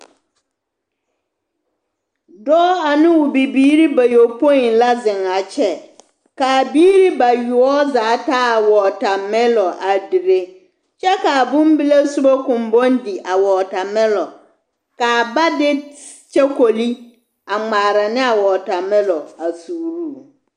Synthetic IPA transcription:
dɔ˦a˨nɪ̃˦wʊ˨bi˨biː˦ɾi˦ba˨jo˨pʰɔ̃˦i˨n˨la˦zɪ̃˨na˨t͡ɕʰɛ˦ | kaː˨biː˦ɾi˦ba˨ɥu˨ɔ˦zaː˨˦tʰa˦a˨wɔ˨tʰa˨mɪ̃˦lɔ˨ʔa˨di˨ɾe˦ | t͡ɕɛ˦kaː˨bʊ̃˦m˦bi˦le˦su˦bɔ˦kʊ̃˨m˨bɔ̃˦n˦di˨ʔa˨wɔ˨tʰa˨mɛ̃˦lɔ˨ | kaː˨ba˦dɪ˦ | t͡ɕɛ˦kʰo˨li˦ | a˨ŋ͡maː˨ɾa˨nɪ̃˦a˨wɔ˨ta˨mɛ̃˦lɔ˨a˨suː˨ɾu˦

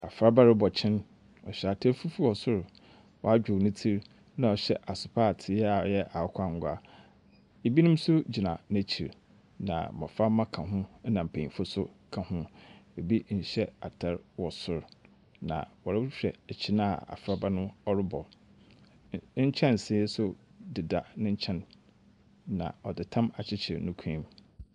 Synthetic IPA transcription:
a˨fɾa˦ba˦ɾɪ˦bɔ˨t͡ɕʰɪ̃˦n | ɔ̰˨ɕᶣɛ˨a˨tʰɛ˦ɾfu˦fu˦wɔ˨sʊ˦ɾ | wɔ˨a˦d͡ʑᶣʊ˨nʊ̃˦tʰi˦ɾ | nã˨ɔ˨ɕɛ̰˦ʔa˨sʊ˨pʰa˦˨tʰɪ˦a˨ɔ˨jɛ˦ʔa˨˦kʷʰa˦ŋ˨ɡʷa˦ | e˨bi˦nũ˦m̩˦sʊ˦d͡ʑi˨nã˨nã˦t͡ɕʰi˨ɾ | nã̰˨mɔ̰̃˨fa˦mã˦kʰã˨ɦʊ̃˦nã˨m̩˨pʰẽ˨ĩ˨fʊ˦sʊ˦kʰã˨hʊ̃˦e˨bi˦ɲ̩˨˦ɕɛ˦a̰˨tʰɛ˦ɾwɔ˨sʊ˦˨ɾ | nã̰˨wɔ˨ɾa˦wʊ˦t͡ɕᶣɾɛ˨t͡ɕʰi˦nã̰˦˨a̰˨fɾa˦ba˦nʊ̃˦ɔ˦ɾɪ˦bɔ˨l | t͡ɕʰɛ̃˦n˨sɪ˦sʊ˦dɪ˨da˨nɪ̃˦ɲ̩˦t͡ɕʰɛ̃˦n | ã̰˨ɔ˨dɪ˨tʰã˦ma˨t͡ɕʰɪ˦t͡ɕʰɪ˨ɾnʊ̃˦kʷʰĩ˦m

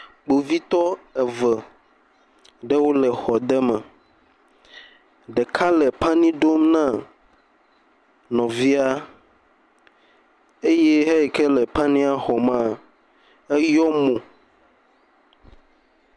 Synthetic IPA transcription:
k͡po˨vi˦t̪ɔ˦ɛ˨və˨ | ɖɛ˦wo˦lɛ˨xɔ˨d̪ɛ˦mɛ̃˨ | ɖɛ˨kʰa˦lɛ˨pa˦nĩ˦ɖo˦mnã˦˨ | nɔ̃˨vi˦a˦ | e˦jɛ˦ɦɛ˦ɛ˨kɛ˦lɛ˨pa˦nĩ˦a˦xɔ˨mã˦ | ɛ˦jɔ˦mõ˨

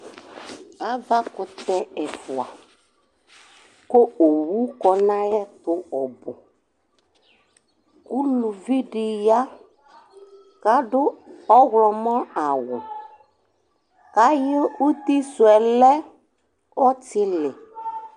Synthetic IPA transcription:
a˦va˦kʊ˨t̪ɛ˦ɛ˨fʊ˨a˨ | ko˦o˨wu˦kɔ˨nã˦jɛ˦t̪ʊ˨˦ɔ˨bʊ˨ | ku˦lu˨vi˦ɖɪ˦ja˦ | ka˦ɖʊ˦ɔ˦ɣlɔ˨mɔ̃˦a˨wʊ˨ | ka˨˦jɪ˦u˦t̪i˦sʊ˨ɛ˨lɛ˦ | ɔ˦tɪ˦lɪ˨

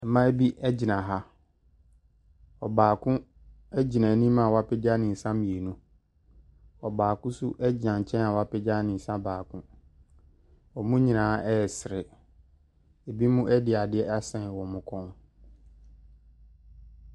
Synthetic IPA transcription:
ɛ˨mã˦e˦bi˦ʔɛ˦d͡ʑi˨nã˨ɦa˦ | ɔ˨baː˨kʰʊ̃˦ | ɛ˦d͡ʑi˨nã˨nĩ˦mã˨wa˦pʰɛ˦d͡ʑa˦nɪ̃˨n̩˨sã˦mĩ˨e˨nũ˦ | ɔ˨baː˨kʊ̃˦sʊ˦ʔɛ˦d͡ʑɪ˨nã˨ɲ̩˨t͡ɕʰɛ̃˦n˦a˨wa˦pʰɪ˦d͡ʑa˦nɪ̃˨n˨sã˦baː˨kʰʊ̃˦ | ɔ˨mʊ̃˦ɲĩ˨nãː˨˦ɛ˦ɛ˨sɪ˨ɾɪ˨ | e˨bi˦mʊ̃˦ʔɛ˦dɪ˨a˨dɪ˦ɛ˦a˦sɛ̃˨n˨wɔ̃˨mʊ̃˦kʰɔ̃˦n

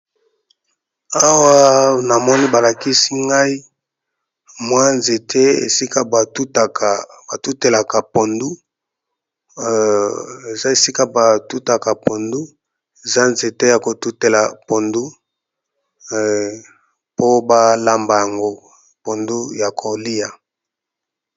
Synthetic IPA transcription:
a˦wa˦na˨mɔ˦ni˦ba˨la˨ki˦si˦ŋɡa˦i˦ | mwa˦nze˨tʰe˦ḛ˨si˦ka˦ba˨tu˦ta˨ka˨ba˨tu˦te˨la˨ka˨po˨ndu˦ | e˨za˦e˨si˦ka˦ba˨tu˦ta˨ka˨po˨ndu˦ | e˨za˦nze˨te˦ja˨ko˨tu˦te˨la˨po˨ndu˦ | po˦ba˦la˦mba˨ja˨ŋɡo˦ | po˨ndu˦ja˨kʰo˨li˦ja˨

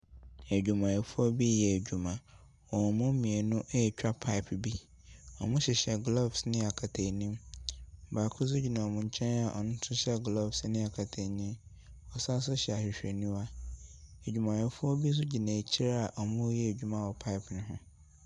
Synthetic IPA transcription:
e˨d͡ʑᶣu˨mã˨jɛ˨fʊ˦ɔ˦bi˦jɛ˨e˨d͡ʑᶣu˨mã˨ | wɔ˨mʊ̃˦mĩ˨e˨nʊ̃˦ʔt͡ɕᶣa˦pʰa˦ɪ˨pʰbi˦ | ɔ̰˨mʊ̃˦ɕɪ˨ɕɛ˨ɡlɔ˦bsnɪ̃˦a˨kʰa˨tʰe˨nĩ˦m˨ | baː˨kʰʊ˦s̬ʊ˦d͡ʑi˨nã˨ɔ˨mʊ̃˦ɲ̩˦t͡ɕʰɛ̃˦n˦a˨ʔɔ̰˨nʊ̃˦tʰʊ˦ɕɛ˦ɡlɔ˦bsnɪ̃˦a˨kʰa˨tʰe˨ɲɪ̃˦n | ɔ˨sa˦s̬ʊ˦ɕɛ˨a˨ɕᶣɪ˨ɕᶣe˨nũ˦a˦ | e˨d͡ʑᶣu˨mã˨jɛ˨fʊ˦ɔ˦bi˦s̬ʊ˦d͡ʑi˨nã˨t͡ɕʰi˦ɾa˦a˨ʔɔ˨mʊ̃˦jɛ˦e˨d͡ʑᶣu˨mã˦wɔ˨pʰa˦ɪ˨pʰnʊ̃˦ɦʊ̃˦

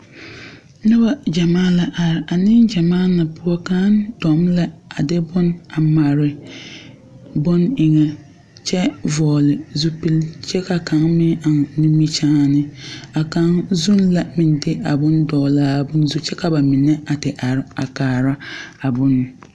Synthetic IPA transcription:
nʊ˦ba˦d͡ʒa˨maː˦la˨ʔa˨ɾɪ˨ʔa˨nɪ˦ŋd͡ʒa˨maː˦na˨pʊ˦ɔ˦ka˦n˦dɔ˨mla˦a˨dɪ˦bʊ˦na˨ma˨ɾɪ˨ | bʊ˦nɪ˨ŋɛ˨ | t͡ʃɛ˦vɔː˨lɪ˨zu˦pi˦lt͡ʃɛ˦ka˨ka˨ŋmɪ˦a˨ŋ˨nu˦mi˦t͡ʃaː˦˨nɪ˦a˨ka˨ŋzu˦nla˨mɪ˨ndɪ˦a˨bʊ˦ndɔː˨laː˦˨bʊ˦nzu˦t͡ʃɛ˦ka˨ba˨mɪ˨nɛ˦ʔa˨tɪ˨ʔa˨ɾɪ˨˦a˨kaː˨ɾa˦a˨bʊ˦n˨

